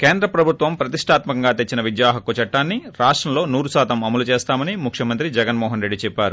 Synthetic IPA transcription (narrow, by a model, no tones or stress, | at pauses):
keːnd̪ɾɐpɾɐbʱut̪ʋɐmpɾɐt̪iʂʈʰaːt̪mɐkɐŋɡaːt̪et͡ʃːinɐʋid̪jaːɦɐkːut͡ʃɐʈːaːnːiɾaːʂʈɾɐmlo̞ːnuːɾusaːt̪ɐmɐmɐlut͡ʃeːst̪aːmɐnimukʰjɐmɐnt̪ɾid͡ʒɛɡɐnmɔːɦɐnɾe̞ɖːit͡ʃɛpːaːɾu